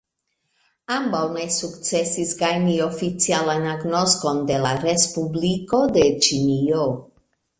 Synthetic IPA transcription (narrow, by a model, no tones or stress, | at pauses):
ambawne̞sukt͡se̞sisɡajnio̞fit͡sialanaɡno̞sko̞nde̞laɾespubliko̞d̪e̞t͡ʃinio